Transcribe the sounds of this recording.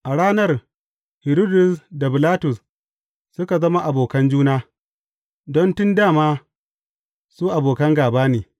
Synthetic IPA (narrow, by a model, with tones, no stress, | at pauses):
ʔa˨ɽaː˦nɐ˦r | hɪ˨ɾo˦dʊ˨sda˨bɪ˨laː˦tʊ˨s | sʊ˦ka˨zɐ˦ma˦ʔa˨boː˨kɐ˦nd͡ʒuː˦naː˦ | dɔ˦ntʊ˦ndaː˦˨maː˦ | suː˦ʔa˨boː˨kɐ˦ŋɡaː˨baː˦neː˨